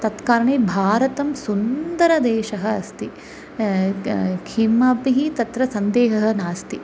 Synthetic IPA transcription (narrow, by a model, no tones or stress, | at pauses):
t̪ɐt̪kaːɾɐɳeːbʱaːɾɐt̪ɐmsund̪ɐɾɐd̪eːʃɐɦɐɐst̪i | kʰimaːpiɦit̪ɐt̪ɾɐsɐnd̪eːɦɐɦɐ̆naːst̪i